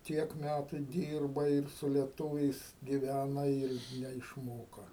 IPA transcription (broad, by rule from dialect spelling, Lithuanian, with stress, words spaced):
ˈtʲiɛk ˈmʲætʊ ˈdʲiːrbɐɪ ɪr sʊ lʲiɛˈtuːʋʲɛɪs ɡʲɪˈʋʲænɐ ɪr nʲɛɪʃˈmoːkɐ